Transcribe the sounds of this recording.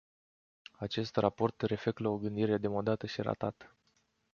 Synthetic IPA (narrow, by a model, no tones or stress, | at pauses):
at͡ʃe̞st̪rapo̞rt̪re̞fe̞k̪lao̞ɡɨnd̪iɾe̞ad̪e̞mod̪at̪əʃiɾa̰t̪at̪ə̥